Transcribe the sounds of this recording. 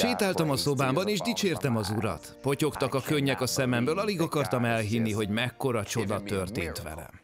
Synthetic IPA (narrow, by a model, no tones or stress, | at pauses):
ʃeːt̪aːlt̪ɒmɒso̞baːmbɒneːʒd̪it͡ʃeːrt̪ɛmɒzuɾɒ̰t̪po̞co̞kt̪ɒkɒkøɲːɛkɒsɛmɛmbøːlɒliɡɒkɒrt̪ɒmɛlɦinːiɦo̞ɟmɛkːo̞ɾɒt͡ʃo̞d̪ɒt̪ørt̪eːnt̪ʋɛ̰lɛ̰